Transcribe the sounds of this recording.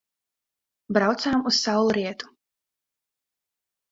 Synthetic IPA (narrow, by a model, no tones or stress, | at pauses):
bɾawt̪saːmussawlˠuɾiɛt̪u̥